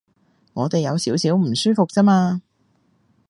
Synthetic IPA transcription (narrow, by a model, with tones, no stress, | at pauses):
ŋɔː˨˧t̪e˨jɐ˨˧wsiː˨˥wsiː˨˥wm̩˨˩syː˥fʊ˨k̚t͡sɛ˥maː˧